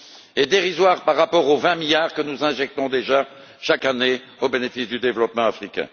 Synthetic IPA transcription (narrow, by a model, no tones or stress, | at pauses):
ɛd̪eʁizwaʁpaʁːapɔʁovɛ̃miljaːʁkənuzɛ̃ʒɛk̚t̪ɔ̃d̪eʒa | ʃakane | obenefisd̪yd̪evlɔpmɑ̃afχikʲɛ̰̃